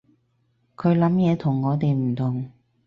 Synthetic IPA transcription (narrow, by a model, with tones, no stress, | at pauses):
kʰɵ˨˧ɥlɐ˨˥mjɛː˨˧t̪ʰʊ˨˩ŋːɔː˨˧t̪e˨jm̩˨˩t̪ʰʊ˨˩ŋ